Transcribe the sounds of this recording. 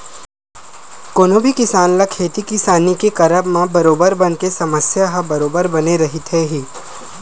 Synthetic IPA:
koːnobʱikɪsaːnlakʰeːt̪ikɪsaːnikekɐɾəbmãbɐɾoːbəɾbɐnkesɐməsjaɦɐbɐɾoːbəɾbɐneɾɐɦɪt̪ɦeɦiː

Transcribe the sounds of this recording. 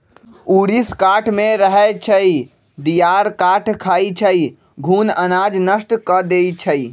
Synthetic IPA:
uɾiskaʈʰmẽɾəɦɛt͡ʃʰəi | d̪ijaɾkaʈʰkʰait͡ʃʰəi | ɡʱuːnənad͡ʒnəsʈkəd̪ejt͡ʃʰəi

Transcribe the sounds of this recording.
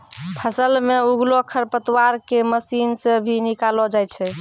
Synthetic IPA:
pʰəsəlmeuɡlokʰəɾpət̪waɾkeməsinsebʱinikalɔd͡ʒajt͡ʃʰɛ

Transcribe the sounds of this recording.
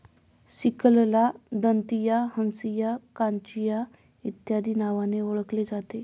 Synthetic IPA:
sikəllad̪ənt̪ijaɦənsijakant͡ɕija | it̪jad̪ʱiːnaʋaneoɭəkled͡zat̪e

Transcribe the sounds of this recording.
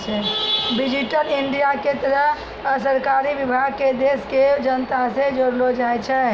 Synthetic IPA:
t͡ʃʰɛbid͡ʒiʈəliɳɖijaket̪əɾəɦ | səɾkaɾibibʱaɡ̚ked̪esked͡ʒənət̪ased͡ʒoɾlod͡ʒajt͡ʃʰɛ

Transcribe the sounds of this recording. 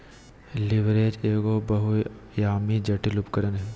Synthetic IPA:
lɪʋɾeːd͡ʒeːɡoːbɐɦujaːmid͡ʒɐʈilupkɐɾənɦɛ

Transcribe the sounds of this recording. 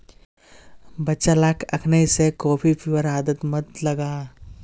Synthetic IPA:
bɐtːʃalaːkʰɐkʰnəisekoːpʰifʰuwəɾaːd̪ət̪mɐd̪lɐɡaː

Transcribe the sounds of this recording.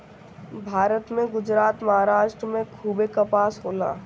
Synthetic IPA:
bʱaːɾət̪mẽɡʊd͡ʒɾaːt̪mɐɦaːɾaːʃʈɾəmẽkʰuːbekapaːsɦoːla̰ː

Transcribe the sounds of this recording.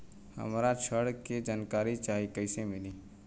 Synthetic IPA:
hə̰mɾat͡ʃʰəɽked͡ʒaːnkaːɾit͡ʃaːɦikəɪsemɪliː

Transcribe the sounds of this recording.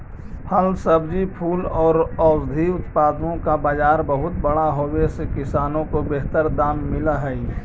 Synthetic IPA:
hɐlsɐbd͡ʒipʰuːlɔːɾɔːzd̪ʱiʊt̪paːd̪nõkabaːd͡ʒaːɾbɐɦʊt̪bɐɽaɦowesekɪsaːnõkobeɦt̪əɾd̪aːmːɪlaɦɛi

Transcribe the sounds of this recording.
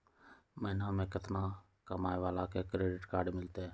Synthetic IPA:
mənãːmẽːkət̪nãː | kəmaːeʋaːlaːkeːkɾeːɖɪʈkaːɖmɪlt̪eː

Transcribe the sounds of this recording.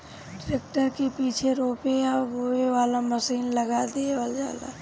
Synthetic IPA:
ʈɾeːk̚ʈəɾkepiːt͡ʃʰeɾoːpejaɡoːeʋaːlaməsiːnlɐɡad̪ieʋəld͡ʒa̰ːla̰

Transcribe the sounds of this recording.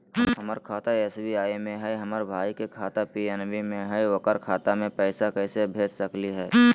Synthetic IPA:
ɦɐməɾkʰaːt̪aɛːsbiaːemẽɦɛɦɐməɾbʱaːikekʰaːt̪apiːɛnʋimẽɦɛʋɐkəɾkʰaːt̪amẽpɛːsakɛːsebʱeːd͡ʒsəkliɦɛː

